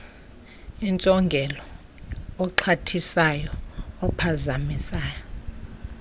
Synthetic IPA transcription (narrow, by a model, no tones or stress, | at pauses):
int͡sʼɔŋɡʱɛlɔː | ǁʰatʰisajɔːpʰazamisaːjɔ